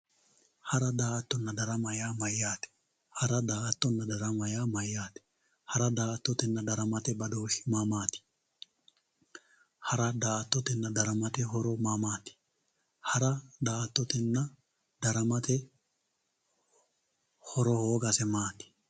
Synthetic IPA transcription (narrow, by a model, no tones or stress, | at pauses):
hɐɾɐd̪aːt̪ːɔnːɐd̪ɐɾɐmɐjaːmɐjːaːt̪ɛ̥ | hɐɾɐd̪aːt̪ːɔnːɐd̪ɐɾɐmɐjaːmɐjːaːt̪ɛ̥ | hɐɾɐd̪aːt̪ːɔt̪ɛnːɐd̪ɐɾɐmɐt̪ɛbɐd̪oːʃɪ̥mamaːt̪ɪ̥ | hɐɾɐd̪aːt̪ːɔt̪ɛnːɐd̪ɐɾɐmɐt̪ɛɦɔɾɔmamaːt̪ɪ̥ | hɐɾɐd̪aːt̪ːɔt̪ɛnːɐ | d̪̥ɐɾɐmɐt̪ɛ | hɔɾɔhoːɡɐsɛmaːt̪ɪ̥